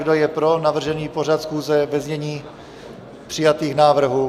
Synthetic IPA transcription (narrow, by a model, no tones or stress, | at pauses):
ɡdojɛpɾo̞navr̩ʒɛniːpo̞r̝at̪sxuːzɛvɛzɲɛɲiː | pr̝̥ɪjat̪iːxnaːvr̩ɦu